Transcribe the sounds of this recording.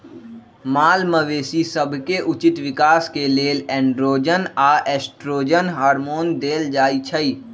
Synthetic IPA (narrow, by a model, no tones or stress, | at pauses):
maːlməʋeːsisəbʱkeʔʊt͡ʃɪt̪ʋɪkaːskeleːlɛ̃ːɳɖɾoːd͡ʒənaːʔɛːsʈɾoːd͡ʒənɦaːɾmoːnd̪eːld͡ʒaːit͡ʃʰəiː